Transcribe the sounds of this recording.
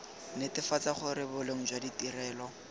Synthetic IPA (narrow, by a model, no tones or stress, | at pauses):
netɪfat͡saχʊɾɪbʊleŋ̩d͡ʒwaditirɛːlɔ